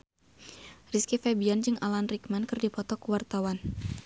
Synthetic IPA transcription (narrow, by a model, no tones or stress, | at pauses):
riskifɛbiand͡ʒɨŋʔalanrikmankɨrdipɔt̪ɔkuwart̪awan